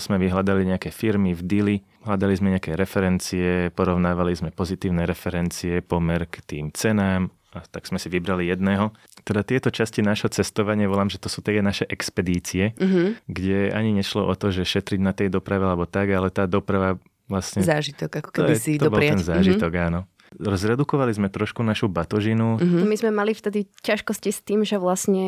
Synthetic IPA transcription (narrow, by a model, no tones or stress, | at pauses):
z̥mɛʋiɦlad̪aliɲɛakɛfiɾmivd̪ili | ɦlad̪alizmɛɲɛakɛɾɛfɛɾɛnt͡siɛpɔɾɔʊnaːʋalizmɛpɔzit̪iːʊnɛɾɛfɛɾɛnt͡siɛpɔmɛɾkt̪iːmt͡sɛnaːm | at̪aɡz̥mɛsiʋibɾalijɛd̪nɛːɦɔ | t̪ɛd̪at̪ɪɛt̪ɔt͡ʃascinaːʒɦɔt͡sɛst̪ɔʋaɲɪaʋɔlaːmʒɛt̪ɔsuːt̪ɛɛnaʃɛʔɛkspɛd̪iːt͡siɛɡɟɛa̰ɲiɲɛʃlɔʔɔt̪ɔʒɛʃɛt̪ɾiɟnat̪ɛjd̪ɔpɾaʋɛalɛbɔt̪aɡalɛt̪aːd̪ɔpɾaʋa | ʋlasɲɛzaːʒit̪ɔkakɔ̥tkɛiid̪ɔɔbɔɾtɛnzaːʒiɔɡaːnɔ | rzɾɛd̪ukɔʋalizmɛt̪ɾɔʃkunaʃubat̪ɔʒinuɔmizmɛmalift̪ɛd̪icaʃkɔscist̪iːmʒɛʋlasɲɛ